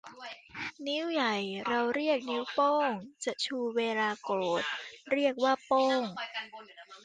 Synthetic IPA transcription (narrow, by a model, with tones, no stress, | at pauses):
ni˦˥wja˨˩jɾa˧wɾi˥˩ək̚ni˦˥wpo˥˩ŋt͡ɕa˨˩ʔt͡ɕʰuː˧weː˧laː˧koː˨˩t̪̚ɾi˥˩ək̚waː˥˩po˥˩ŋ